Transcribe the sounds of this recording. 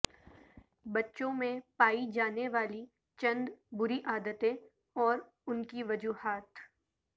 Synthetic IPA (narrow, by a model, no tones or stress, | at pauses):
bɐtːʃõmẽpaːid͡ʒaːneʋaːli | t͡ʃɐ̃nd̪bʊɾiʔaːd̪ət̪ẽ | ɔːɾ | ʊnkiʋɐd͡ʒuːhaːt̪